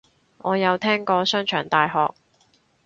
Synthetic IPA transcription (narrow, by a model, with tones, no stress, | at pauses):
ŋɔː˨˧jɐ˨˧wt̪ʰɛː˥ŋkɔː˧sœː˥ŋt͡ʃʰœː˨˩ŋt̪aː˨jɦɔː˨k̚